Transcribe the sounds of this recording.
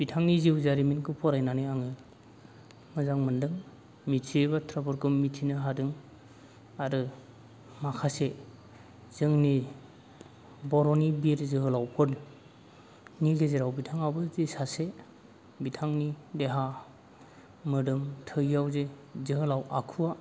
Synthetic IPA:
b̥itʰaŋniziwzaɾiminkʰɯpʰɔɾajnanɯjaŋɯ | mɯzaŋmɯndɯŋ | mitʰiebatʰɾabɔɾkʰɯmitʰinɯɦadɯŋ | aɾɯ | makʰase | z̥ɯŋni | bɔɾɔnibiɾzɯɦɯlawpʰɔɾ | niɡezeɾawbitʰaŋabɯzisase | bitʰaŋnideɦa | mɯdɯmtʰɯɡjawzezɯɦɯlawʔakʰuwa

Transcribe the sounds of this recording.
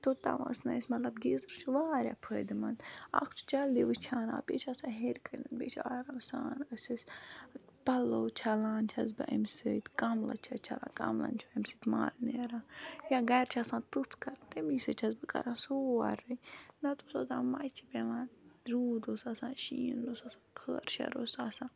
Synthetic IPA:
t̪ot̪ã̰ʋɐ̰snɐisʲmɐt̪lɐbɡezɨɾt͡ʃʰuʋaːɾʲja̰pʰəːd̪ɨmɐna̰kʰt͡ʃʰu̥t͡ʃɐld̪iʋɨt͡ʃʰaːna̰ːbḛːt͡ʃʰɐsãːɦeɾkəɾninbʲḛːt͡ʃʰaːɾasa̰ːnəsɨsʲ | pɐloːt͡ʃʰalaːnt͡ʃʰɐzbɨ̰ʔɐ̰msɨt̪kɐmlɐ̰t͡ʃʰɐt͡ʃʰɐ̰lã̰ːka̰mlɐ̰nt͡ʃʰɐmsɨt̪ma̰ːlneːɾaːjaːɡɐɾt͡ʃʰasãːnt̪ut͡sʰkɐɾt̪emisɨt͡ʃʰɐzbɨkɐ̰ɾãːnsoːa̰ɾɨjnɐt̪usozãːmajt͡ʃʰipʲeʋanɾuːd̪osasãːʃiːnd̪osasãːkʰəːɾʃɐ̰ɾosaːsãː

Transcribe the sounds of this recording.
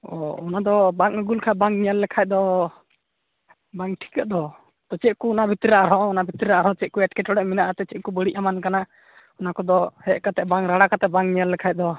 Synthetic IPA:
ɔɔnad̪ɔbaŋəɡulkʰabaŋnijalːɛkʰaj̚d̪ɔ | baŋʈʰi̥kəʔ̚d̪ɔ | t̪ɔt͡ʃɛʔ̚kuːnabʱit̪ɾɾaʔɾɔ̃ɔnabʱit̪ɾɾaʔɾɔ̃t͡ʃɛʔ̚kɔɛʈkɛʈɔɽɛʔminaʔat̪ɛt͡ʃɛt̪̚kubəɽiʔ̚amankana | ɔnakɔd̪ɔhɛʔkat̪ɛʔbaŋɾaɽakat̪ɛbaŋnijalːɛkʰaj̚d̪ɔ

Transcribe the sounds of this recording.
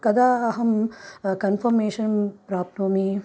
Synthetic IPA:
kɐd̪aːɐɦɐmkɐnfɐɾmeːʃɐnpɾaːp̚t̪oːmi

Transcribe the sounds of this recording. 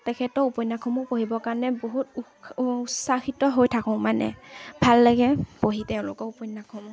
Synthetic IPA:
tɛkʰɛtɔupɔjnːakʰɔmɔpoɦibɔkaɹɔnɛboɦutu | usaxitɔɦojtʰakɔ̃manɛ̰bʱalːaɡɛpoɦitɛʊ̃lʊkɔupɔjnːakʰɔmɔ

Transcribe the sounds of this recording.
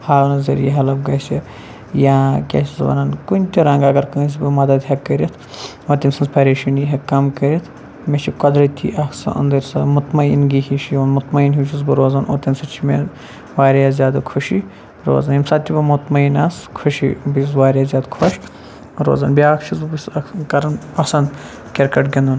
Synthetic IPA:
haːlnɐzɐɾjiɦɐlɐbɡɐsʲɐ | jãːkʲḛsʲizʋɐ̰nɐnkunʲt̪ʲiɾɐŋɡɐɡɐɾkɨːs̬ʲibɨmɐd̪ɐd̪ɦɐkːɐɾit̪ʰ | ot̪ʲimsɐnzpʰɐɾʲeʃuniɦɐkɐmkɐɾit̪ʰ | met͡ʃʰibkɐd̪ɾɐt̪ʲʰḭʔɐksɐ̰ʔɐ̰nd̪ɐɾʲsɐmut̪mɐḭnɡihiʃijonmut̪mɐinɦut͡ʃʰizbɨɾoːzɐnʔo̰t̪ɐnsɐt͡ʃʰime | ʋaːɾʲjazʲjaːd̪ɐkʰuʃi | ɾo̰ːzɐnjimsat̪ʲːibɨmut̪mɐinɐskʰuʃḭbisʋaːɾʲaːzʲjaːd̪kʰɐʃ | ɾo̰ːzɐnbijaːkt͡ʃʰizbɨbisɐkɐɾɐnpɐsɐnd̪ | kʲeɾkɐʈɡʲend̪un

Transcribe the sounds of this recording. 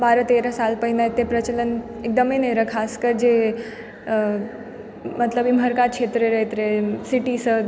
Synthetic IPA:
baːɾət̪eːɾasalpəɦinãet̪ːepɾət͡ʃələn | ek̚d̪əmeneɾəkʰaːskəɾd͡ʒe | mət̪ləbimʱəɾkaʃet̪ɾeɾəɦt̪ɾesiʈisə

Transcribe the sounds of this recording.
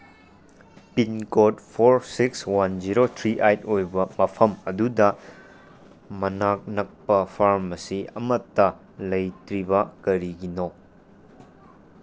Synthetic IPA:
pinkotpʰoɾsikswanziɾotʰɾiʔajtojbɐmɐpʰɐmɐdudɐ | mɐnak̚nɐk̚pɐpʰaɾmɐsiɐmɐtːɐ | lɐjtɾibɐkɐɾiɡino

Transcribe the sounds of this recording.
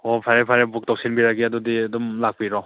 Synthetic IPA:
ɔpʰaɾepʰaɾebuk̚tɔk̚sinbiɾaɡiadudiadumlak̚piɾɔ

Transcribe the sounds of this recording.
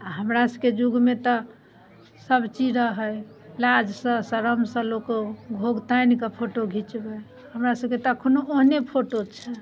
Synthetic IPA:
aɦəmɾasəbked͡ʒuɡmet̪ɔ | səbt͡ʃiɾəɦəj | lad͡ʒsə̃səɾəmsə̃lokoɡʱoɡt̪ajnkepʰoʈoɡʱit͡ʃbɛ | həmɾasəbket̪kʰonoʔoɦnepʰoʈot͡ʃʰɛ

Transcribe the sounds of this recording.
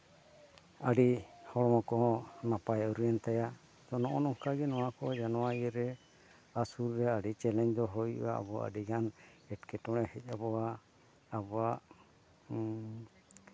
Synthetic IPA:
aɖihɔɽɔmɔkɔɦɔ̃napajauɾijant̪aja | t̪ɔnɔʔɔnɔŋkaɡɛnɔwakɔd͡ʒanɔwaiəɾɛ | asuɾːɛaɖit͡ʃɛlɛɲd̪ɔɦɔjṵa̰a̰bɔa̰ɖiɡanɛʈkɛtɔɽ̃ɛhɛc̚ˀabɔwaː | bɔaʔ

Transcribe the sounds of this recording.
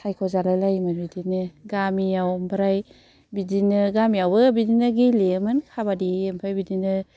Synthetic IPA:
sʰajkʰɔzalajlajmɯnbidinɯɡamiawmbʰaɾaj | bidinɯɡamijawbɯbidinɯɡilemɯnkʰabadiempʰajbidinɯ

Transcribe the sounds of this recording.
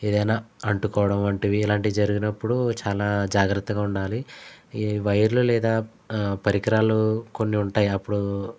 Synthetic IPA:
ed̪ɐjnaːɐɳʈukɔːʋɐɽɐmʋɐɳʈiʋiːlaːɳʈid̪id͡ʒɐɾuɡinɐpːuɽut͡ʃaːlaːd͡ʒaːɡɾɐt̪ːɐɡaːuɳɖaːli | ʋɐjɐɾlulɛːd̪aː | pɐɾikɐɾaːluko̞nːiuɳʈaːjiɐpːuɽu

